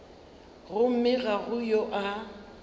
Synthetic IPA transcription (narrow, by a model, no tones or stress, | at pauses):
ɣʊm̩mɪɣaɣʊjoʔa